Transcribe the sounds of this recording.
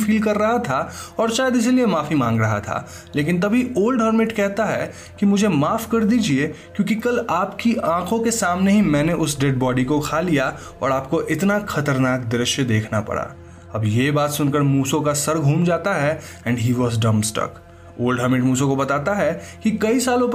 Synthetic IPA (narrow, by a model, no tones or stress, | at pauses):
fiːlkɐɾːɐɦat̪ʰaɔːɾʃaːjəd̪ɪs̬iliemaːfimãːŋɡɾɐɦa̰t̪ʰa̰ː | leːk̬ɪ̃nt̪̬ɐbʱioːlɖɦəɾmɪʈkɛɦt̪aɦɛ | kimʊd͡ʒʱemaːfkɐɾd̪iːd͡ʒiekjõːk̬ikɐlaːpkiʔãːkʰõkesaːmneɦimɛ̃ːneʔʊsɖɛɖ̚bɔːɖikokʰaːlija | ɔ̰ːɾaːp̚koʔɪt̪naxɐt̪əɾnaːkd̪ɪɾɪʃjəd̪eːkʰnapɐ̰ɽa̰ː | ɐbjebaːt̪sʊnkəɾmuːsõkasɐɾɡʱũːmd͡ʒaːt̪aɦɛ | ɛ̃ːɳɖɦiːʋɔːzɖɐ̃msʈɐ̰k | oːlɖɦəɾmɪʈmuːsõkobɐt̪aːt̪aɦɛkikɐisaːlõp